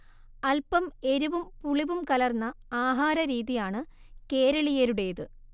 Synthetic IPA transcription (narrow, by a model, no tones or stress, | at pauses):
ɐlpɐme̞ɾuʋumpuɭiʋumkɐlɐrnːɐaːɦaːɾɐɾiːðijaːɳɨ | ke̞ːɾɐɭijɐɾuɽejɐðɨ